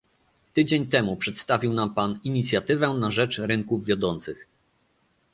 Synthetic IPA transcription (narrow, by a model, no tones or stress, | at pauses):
t̪ɘd͡ʑeɲt̪ɛmupʂɛt̪st̪avʲiwnampaniɲit̪sʲjat̪ɘvɛnaʐɛt͡ʂɾɘŋkuvvʲjɔd̪ɔnt̪sɘx